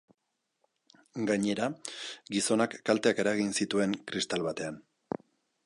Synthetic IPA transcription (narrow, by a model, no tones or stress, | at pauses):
ɡaɲe̞ɾaɡiso̞nakːalt̪e̞ake̞ɾaɣinsit̪ue̞ŋkɾist̪alβat̪e̞an